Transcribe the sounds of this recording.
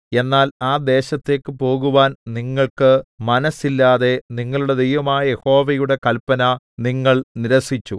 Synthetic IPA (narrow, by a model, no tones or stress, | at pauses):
e̞nːaːlaːd̪e̞ːɕɐt̪ːe̞ːkːɨpo̞ːɣuʋaːnniŋːɐɭkɨmɐnɐsilːaːðe̞niŋːɐɭuɽe̞d̪ejʋɐmaːjɐje̞ho̞ːʋɐjuɽe̞kɐlpɐnɐ | niŋːɐɭniɾɐsit͡ɕːu